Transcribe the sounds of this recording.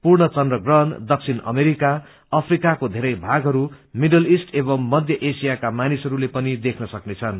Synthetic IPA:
purɳʌt͡sʌndrʌɡrʌɦʌnd̪ʌk̚t͡sʰinʌ̰meɾika | ʌpʰrikakod̪ʱeɾʌjbʱaɡɦʌɾumiɖʌlisʈebʌmːʌd̪ʱjʌʔesijakamanisɦʌɾulepʌnid̪ekʰnʌsʌknet͡sʰʌn

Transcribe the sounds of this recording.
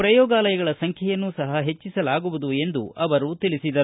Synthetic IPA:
pɾɐjɔːɡaːlɐjɐɡɐɭɐsɐŋkʰjɛjɐnːusɐɦɐɦe̞t͡ʃːisɐlaːɡuʋud̪ue̞nd̪ṵɐʋɐɾut̪ilisid̪ɐ

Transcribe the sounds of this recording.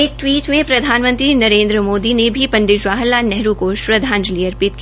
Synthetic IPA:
ek̚ʈwiːʈmẽpɾɐd̪ʱaːnmə̃nt̪ɾinɐɾẽːnd̪ɾəmoːd̪inebʱipɐ̃ɳɖɪʃʋaːɦəlːanɛɦɾukoːʃpɾɐd̪ʱaːnd͡ʒliəɾpɪt̪̚ki

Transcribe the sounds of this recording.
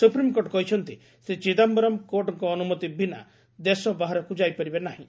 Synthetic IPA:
supɾimkoʈɔkɔɦit͡ʃʰɔnt̪i | set͡ʃid̪ambɔɾɔmkoɾʈɔŋkɔːnumɔt̪ibʱina̰ | d̪esɔbaɦaɾɔkud͡ʒajpɔɾibenaɦĩ

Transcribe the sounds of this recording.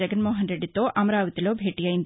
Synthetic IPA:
ɐɡɐnmoːɦɐnɾeɖːit̪ːoːʔɐmɐɾaːʋɐt̪iloːbʱeːʈijɐjind̪

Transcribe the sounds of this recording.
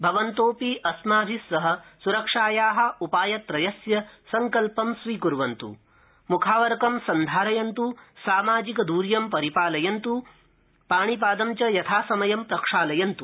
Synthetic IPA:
bʱɐʋɐnt̪oːpiːʔɐsmaːbʱisːɐɦɐ̆suɾɐkʂaːjaːɦɐ̆upaːjɐt̪ɾɐjɐsjɐsɐŋkɐlpɐmsʋiːkuɾʋɐnt̪ṵ | mukʰaːʋɐɾkɐmsɐnd̪ʱaːɾɐjɐnt̪usaːmaːd͡ʒikɐd̪uːɾjɐmpɐɾipaːlɐjɐnt̪u | paːɳ̃ip̬aːd̪ɐmt͡ʃɐjɐt̪ʰaːsɐmɐjɐmpɾɐkʂaːlɐjɐnt̪u

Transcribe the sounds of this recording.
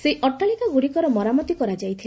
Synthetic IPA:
seʔɔʈaɭikaɡuɽikɔɾɔmɔɾamɔt̪ikɔɾad͡ʒajt̪ʰil

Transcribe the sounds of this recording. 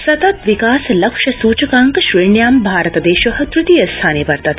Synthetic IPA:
sɐt̪ɐt̪ʋikaːslɐkʂɐsuːt͡ʃəkaːŋkʃɾiɳjaːmbʱaːɾət̪d̪eːʃɐɦət̪ɾut̪ijɐst̪ʰaːneːpɐɾt̪ɐt̪

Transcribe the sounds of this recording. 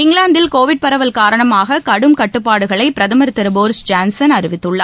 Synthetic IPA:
ɪŋɡɭaːnd̪ɪlkoːʋɪʈ̚pɐɾɐʋɐlkaːɾɐɳɐmaːɣɐkɐɽɯmkɐʈːɯpːaːɽɯɣɐɭɐɪpɪɾɐðɐmɐɾt̪ːɐɾboːɾsd͡ʒaːnsɐnɐɾɯʋɪt̪ːɯɭːɐ

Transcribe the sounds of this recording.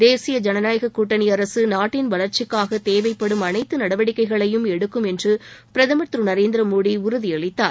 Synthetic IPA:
d̪eːsɪjɐd͡ʒɐnɐnaːjɐɣɐkːuːʈːɐnɪɐɾɐsɯnaːʈːɪnʋɐɭɐɾt͡ʃɪkːaːɣɐt̪eːʋɐɪpːɐɽɯmɐnɐɪt̪ːɯnɐɽɐʋɐɽɪkːɐɪɣɐɭɐjɯmɛɽɯkːɯmɛndrɯpɪɾɐðɐmɐt̪ɾɯnɐɾeːnd̪ɪɾɐmoːɽiʊɾʊðiɐɭɪt̪ːaːɾ

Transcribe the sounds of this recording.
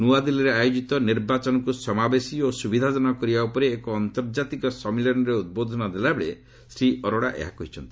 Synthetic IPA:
nuad̪iliɾeajod͡ʒit̪ɔniɾbat͡ʃɔnɔkusɔmabesiosubid̪ʱad͡ʒɔnɔkɔɾibaupɔɾeːkɔːnt̪ɔɾd͡ʒat̪ikɔsɔmilɔnɔɾeud̪̚bod̪ʱɔnɔd̪elabeɭe | sɾiʔɔɾɔɽaʔḛɦakuɦit͡ʃʰɔnt̪i̥

